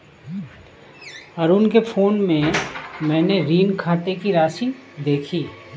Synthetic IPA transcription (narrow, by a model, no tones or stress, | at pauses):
əɾuːnkefʰoːnmẽmɛ̃ːneɾiːnkʰaːʈekiɾaːʃid̪eːkʰiː